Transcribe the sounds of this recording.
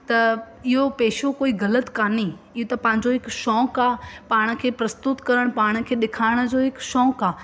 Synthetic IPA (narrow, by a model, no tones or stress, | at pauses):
t̪ɐ | ɪɦopeːʃokoːiɣɐlət̪kaːni | ɪɦot̪ɐpɐ̃ɦɪ̃ɲ̆d͡ʑoɦɪkʃɔːkaːpaːɽ̃ə̆kʰeːpɾɐst̪ʊt̪kɐɾəɽ̃paːɽ̃ə̆kʰeːɗɪkʰaːɪɽ̃əd͡ʑoːɦɪkʃɔːkaː